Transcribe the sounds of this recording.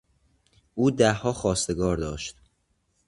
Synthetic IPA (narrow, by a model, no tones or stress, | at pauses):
ʔuːd̪æhːɒːxɒːst̪e̞ɡɒːɾd̪ɒːʃt̪̚